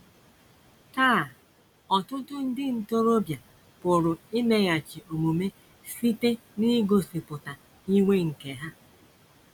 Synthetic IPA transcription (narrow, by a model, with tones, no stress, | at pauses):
taː˦˨ | ɔ˨tʊ˦tʊ˦n̩˦dɪ˦n̩˨to˦ɾo˦bja˨ | pʊ˨ɾʊ˨ɪ˦me˨ɣa˨t͡ʃi˨ʔo˨mu˨me˦ | si˦te˦ | ni˦ɡo˨si˨pʊ˨ta˨ | i˦ŋʷe˦ŋ̩˨ke˨ɦa˦